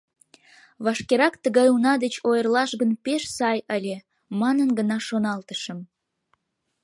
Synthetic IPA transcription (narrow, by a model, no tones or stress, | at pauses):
βɑʃkeɾɑkt̪əɣɑjunɑd̪et͡ɕojərlɑʃɡənpeʃsɑjəlʲe | mɑnənɡənɑʃonɑlt̪əʃəm